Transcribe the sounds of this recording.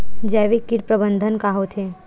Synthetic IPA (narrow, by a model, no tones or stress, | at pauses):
d͡ʒɛːʋekːiɾpɾəbə̃nd̪ʱənkaːɦot̪ʰeː